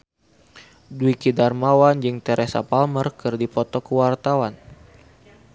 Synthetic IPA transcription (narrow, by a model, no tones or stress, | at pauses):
duikidarmawand͡ʒɨŋt̪ɛɾʔesa̰palmərkɨrdipɔt̪ɔkəwart̪awan